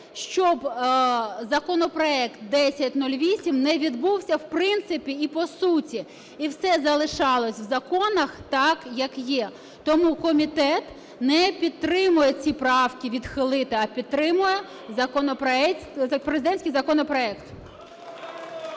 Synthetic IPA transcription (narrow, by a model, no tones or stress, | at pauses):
ʃt͡ʃɔb | zɐkɔnɔpɾɔɛkt̪̚d̪ɛsʲɐtʲnulʲʋʲisʲimnɛʋʲid̪buwsʲɐwpɾɪnt̪sɪpʲiipɔsutʲi | iwsɛzɐlˠɪʃɑlˠɔsʲwzɐkɔnɐxt̪ɑkjɐkjɛ | t̪ɔmukɔmʲit̪ɛt̪ | nɛpʲid̪ɾɪmʊjɛt͡sʲipɾɑwkʲiʋʲid̪xɪlˠɪt̪ɪɐpʲid̪̚t̪ːɾɪmʊjɛ | zɐkɔnɔpɾɔɛɐpɾezɪd̪ɛnʲsʲkɪjzɐkɔnɔpɾɔɛkt̪